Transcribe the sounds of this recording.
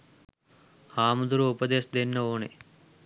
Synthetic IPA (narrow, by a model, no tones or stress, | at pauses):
haːmud̪uɾuupɐd̪eːsd̪enːɐoːnḛ